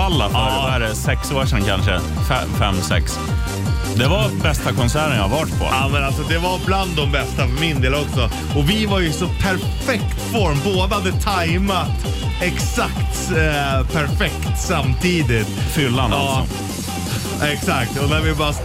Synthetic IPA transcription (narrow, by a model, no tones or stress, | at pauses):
alːafa | æɾɛsɛksoːʂɛnkʰa̰nʂə̰ | fɛ̰fɛ̰mːsɛ̰ks | d̪ɛvabɛst̪akʰɔnsæːɾənjaavɑʈpʰɔ̰mɛnalsɔd̪ɛvaɾbland̪ːɔmbɛst̪afœɾmɪnd̪eːlɔksɔ | ɔvɪvaɾjɵsɔpʰæɾ | fɛk̚t̪fɔɾmboːd̪əhad̪ət̪ʰajmat̪ | ɛksakt̪ | pʰæɾfɛkt̪samːt̪ʰiːd̪ɪt̪fʏlːa̰nd̪ɑːsɔ̰ | ɛksakt̪ɔnæɾvɪbɑːɾ